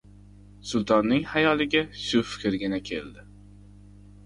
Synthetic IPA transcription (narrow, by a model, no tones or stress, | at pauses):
sʊlˠt̪ʰɒnːɪŋhajɒlɪɡʲaʃʊfɪ̥kʲɾɡʲɪnakʲʰḛld̪ɪ